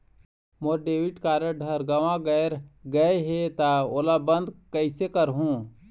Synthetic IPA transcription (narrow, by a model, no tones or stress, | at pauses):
moɾɖeːʋɪʈkaːɾjəɖʱəɾɡɐʋãɡɛːɾɡəeɦet̪aoːlabə̃nd̪kəɪsekəɾɦũː